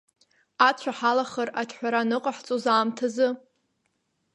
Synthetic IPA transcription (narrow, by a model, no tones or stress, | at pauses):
at͡ɕʷʰaħalaχəratʰħʷᶣaɾanɨqʼaħt͡sʼozaːmtʰazɨ